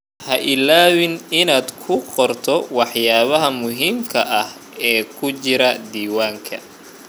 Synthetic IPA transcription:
hɐʔɪlaːwɪnɪnaːd̪kʰʊqɔrt̪ʰɔwɑħjaːβɐɦɐmʊɦiːmkʰɐʔɐh | ɛːkʰʊt͡ʃɪɾɐd̪iːwaːŋkʰɐ̰

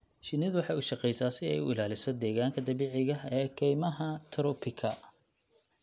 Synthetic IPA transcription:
ʃɪnɪðwɑħɑjʊʃɑqɛjsaːsɪɛ̰jʊ̰ɪ̰laːlɪsɔd̪ɛːɣaːŋkʰɐd̪ɐβiːʕɪɣɐɛːkʰɛjmɐɦɐt̪ʰɾɔpʰɪkʰɐ

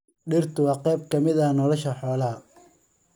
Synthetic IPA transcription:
ɖɪrt̪ʰʊwɑːqɛjbkʰɐmɪðɐnɔlɐʃɐħɔːlɐɦɐ

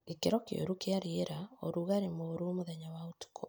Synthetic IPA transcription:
ekeɾɔkḛo̰ɾukeaɾeeɾaoɾuɣaɾemoːɾomoðɛɲawaotu̥kʰɔ

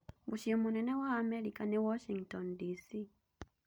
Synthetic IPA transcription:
muʃiɛmunɛnɛwaːmɛɾikanewɔʃiŋtɔndisi

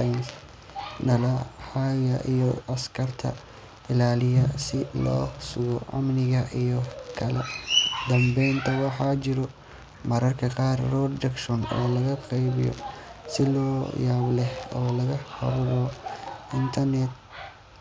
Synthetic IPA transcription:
ns | nɐlɐħaɣɐʔijɔɐskʰɐrt̪ʰɐ̰ | ɪlaːlɪjɐsɪlɔ̰ːsʊɣɔʕa̰mnɪɣɐʔijɔkʰɐlɛd̪ɐmbɛjnt̪ʰɐwɑħɑt͡ʃɪɾɔ | mɐɾɐrkʰɐqɑːrrɔd̪ɐkʃɔnɔ̰ːlɐɣɐqɛjβɪ̰jɔ̰sɪlɔːjaːβlɛhɔːlɐɣɐhɐ̰ɾʊɣɔʔɪnt̪ʰɐrnɛt̪̚

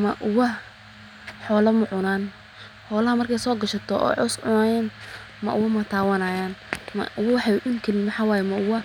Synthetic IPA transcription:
mɐʔʊwɐ | ħɔːlɐmʊʕʊnaːn | ħɔːlɐhɐmɐrkʰɛjsɔːɡɐʃɐt̪ʰɔɔ̰ːʕɔsʕʊnaːjɛːn | mɐ̰ʔʊwɐmɐt̪ʰaːwɐnaːjaːnmɐ̰ʔʊwɐwɑħɑʔʊnkʰɐlimɐħɑwaːjɛmɐʔʊwɐ

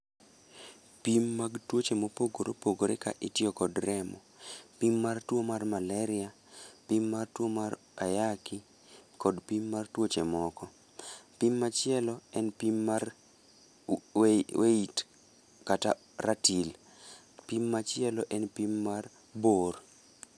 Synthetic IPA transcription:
pimːaɡtwot͡ʃemopoɡoɾopoɡoɾeka̰ʔɪtɪɔkɔdɾɛmɔpimːartwomarmalɛɾɪa | pimːartwomaɾ | ajaki | kɔdpimːartwot͡ʃemɔkɔ | pimːat͡ʃɪɛlɔɛnpimːar | weit | kata̰ | ratil | pimːat͡ʃɪɛlɔʔɛnpimːar | bor

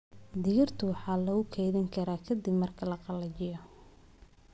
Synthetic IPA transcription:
d̪ɪjɐrt̪ʰʊwɑħɑːlɐɣʊkʰɛjðɪŋkʰɐɾaːkʰɐd̪ɪbmɐrkʰɐlɐqɑlɐt͡ʃɪjɔ

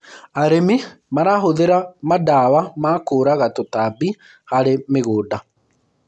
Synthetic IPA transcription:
aɾemimaɾaɦoðeɾamadaːwamaːkoːɾaɣatotabi | haɾemeɣoːda

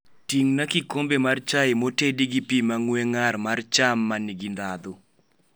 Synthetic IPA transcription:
tiŋnakikombemart͡ʃaɪmotediɡipimaŋweŋarmart͡ʃamːaniɡindad̪ʊ

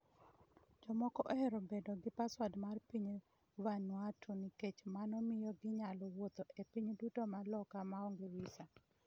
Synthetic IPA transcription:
d͡ʒɔmɔkɔʔoeɾɔbedoɡɪpaswadmarpiɲ | wanwatʰoniket͡ʃmanɔmɪjɔɡɪɲalɔwot̪oepiɲdutomalɔkamaɔŋɡewisa

